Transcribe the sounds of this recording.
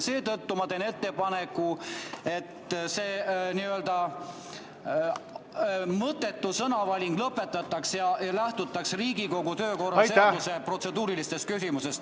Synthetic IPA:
se̞ːt̪ɤt̪ːumɑt̪e̞ne̞t̪ːe̞pɑne̞kːˑue̞t̪ːse̞ːniøld̪ɑ | mɤt̪ːˑe̞t̪ːusɤnɑvɑlʲiŋɡ̥lɤpːˑe̞t̪ːˑɑt̪ːˑɑksjɑjɑlæht̪ut̪ːˑɑksriːɡiko̞ɡut̪ø̞ːko̞rːɑeuse̞pro̞t̪se̞d̪uːɾilist̪e̞st̪kysimuse̞st̪

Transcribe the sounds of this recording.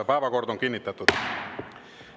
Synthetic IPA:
pɑːʋɑkort̪oŋkinːit̪ːæt̪ːut̪

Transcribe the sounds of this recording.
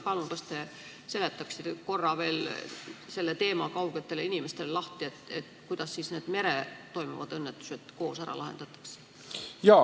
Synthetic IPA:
pɑlunkɑst̪e̞ | se̞le̞t̪ːˑɑksit̪eko̞rːɑve̞ːl | se̞lːet̪e̞ːmɑkɑwɡ̥e̞t̪ːˑe̞leinime̞st̪e̞lelɑht̪iet̪ːet̪kujd̪̥ɑsːiːsne̞ːd̪̥me̞ɾet̪o̞jmṵvɑd̪ɤnːet̪ːˑu̥se̞t̪ko̞ːsæɾɑ̰lʔɑɦend̪̥ɑt̪ːˑɑ̥kse̥ | jɑ

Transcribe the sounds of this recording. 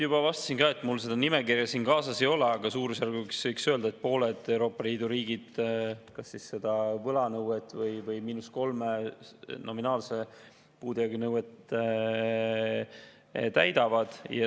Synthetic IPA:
jub̥ɑvɑst̪ɑ̥sinkɑːet̪ːˑmulːse̞d̪̥ɑnimekirjɑsiːnkɑːsɑse̞jo̞leɑɡ̥ɑsuːɾusjærɡuksvɤjksøld̪ɑet̪̚po̞ːle̞d̪̥e̞wɾo̞ːpːˑɑliːd̪uɾiːɡ̥id̪̥kɑsːisːe̞d̪̥ɑvɤlɑnɤwet̪ːˑvɤjvɤjmiːnusko̞lmenʔo̞minɑːlse̞ | puːd̪iɑɡinɤwet̪ | t̪æjd̪̥ɑvɑd̪̥jɑ

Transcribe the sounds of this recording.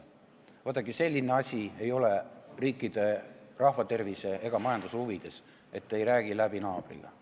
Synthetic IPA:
vɑt̪ːˑɑkise̞lʲːine̞ɑsʲiejo̞le̞riːkːˑid̪̥e̞rɑhvɑt̪e̞rvise̞eɡ̥ɑmɑjɑnd̪usuvid̪̥e̞s | e̞t̪ːe̞jɾæːɡ̥ilæb̥inɑːb̥rḭɡ̥ɑ̰

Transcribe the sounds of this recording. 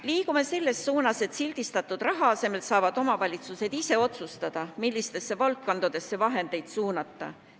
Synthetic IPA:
liːkume̞se̞lːe̞sːuːnɑse̞t̪silʲd̪̥ist̪ɑt̪ːˑud̪̥rɑɦɑɑse̞me̞lt̪sɑːvɑd̪̥o̞mɑvɑlʲit̪suse̞d̪̥ise̞o̞t̪sust̪ɑd̪̥ɑmilːist̪e̞sːe̞vɑlkːond̪ud̪̥e̞sːevɑɦe̞nd̪e̞jd̪̥suːnɑt̪ːɑ̰

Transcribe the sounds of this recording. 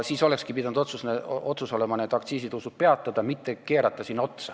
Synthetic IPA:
siːso̞lekskipid̪ɑnud̪o̞t̪susneo̞t̪suso̞lemɑne̞ːd̪ɑk̚t̪siːsid̪usub̥̚pe̞ɑt̪ːˑɑd̪̥ɑmit̪ːe̞ke̞ːɾɑt̪ːˑɑsiːnːot̪sɑ

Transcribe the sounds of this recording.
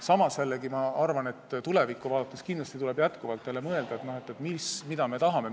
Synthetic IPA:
sɑmɑsːelːeɡimɑɑrvɑne̞t̪ːt̪ule̞vikːˑuvɑːd̪ɑt̪ːˑeskind̪lɑst̪it̪ule̞b̥jæt̪kuvɑlt̪ːˑe̞le̞mɤeld̪ɑet̪no̞he̞t̪ːˑet̪mismid̪̥ɑme̞t̪ɑɦɑme̞

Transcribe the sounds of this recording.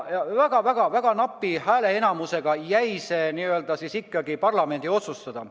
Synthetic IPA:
jɑvæɡ̥ɑvæɡ̥ɑvæɡ̥ɑnɑpːˑihæːle̞enɑmuse̞ɡ̥ɑjæjse̞ːniːø̞ld̪̥ɑsisikːɑɡipɑrlɑme̞nd̪̥io̞t̪sust̪ɑd̪̥ɑ

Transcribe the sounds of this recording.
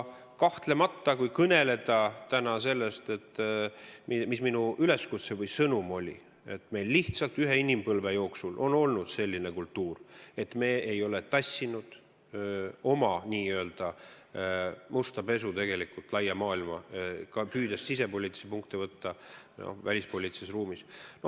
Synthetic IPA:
kɑht̪le̞mɑt̪ːɑkujkɤne̞le̞d̪̥ɑt̪ænɑse̞lːest̪e̞t̪ː | mimisminuyle̞skut̪sevɤjsɤnumo̞lʲḭ | e̞t̪ːˑme̞jlːiht̪sɑlt̪yɦeinʲimpɤlvejo̞ːksulʔo̞̰no̞lnud̪̥se̞lʲːine̞kult̪ːuːre̞t̪ːme̞ːejo̞le̞t̪ɑsʲːinud̪̥ | o̞mɑnʲiːøeld̪̥ɑ | must̪ɑpe̞s̬ut̪e̞ɡ̥e̞likult̪lɑjːɑmɑːilmɑkɑpyːd̪̥essise̞polʲiːt̪sepuŋkt̪ivɤt̪ːɑno̰vælʲispo̞lʲit̪sesruːmisno

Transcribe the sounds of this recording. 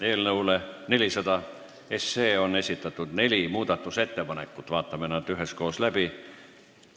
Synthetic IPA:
e̞ːlnɤwle̞ne̞lʲisɑd̪ɑ | e̞sːe̞ːo̞nːe̞sʲit̪ːˑɑt̪ˑːud̪̥ne̞lʲimuːd̪̥ɑt̪ːˑuse̞t̪ːe̞pɑne̞kːˑut̪ːˑvɑːt̪ːˑɑmenɑt̪yɦe̞sko̞ːslæb̥i

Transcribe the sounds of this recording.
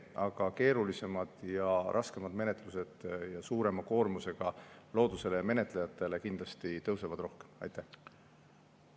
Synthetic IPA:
ɑɡ̥ɑke̞ːɾulise̞mɑd̪̥jɑɾʔɑske̞mɑd̪me̞ne̞t̪ˑluse̞d̪̥jɑsuːɾe̞mɑko̞ːrmuse̞ɡ̥ɑlo̞ːd̪̥use̞lejɑme̞ne̞t̪ˑlejɑt̪ːˑe̞le̞kind̪lɑst̪it̪ɤwsevɑd̪ro̞hke̞̥mɑ̰jt̪ˑːæh

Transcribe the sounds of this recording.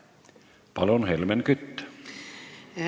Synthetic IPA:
pɑlonhelmenkyt̪ːæ̥

